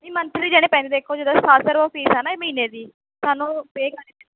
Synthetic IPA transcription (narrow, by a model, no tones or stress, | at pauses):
iːmənt̪ɾiːd͡ʒɛːɽ̃eːpɛ̃ːnd̪eːd̪eːkʰoːd͡ʒeːd̪aːst̪ʰaːsəɾʋapiːsɛːnaːeːməɦiːneːd̪iː | saːnũːpeːka